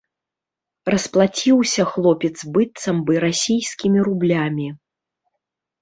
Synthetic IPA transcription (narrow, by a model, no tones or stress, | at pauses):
ɾɐsplˠat͡sʲiwsʲɐxlˠɔpʲɛt̪zbɨt̪sɐmbɨɾasʲijsʲkʲimʲiɾublʲamʲi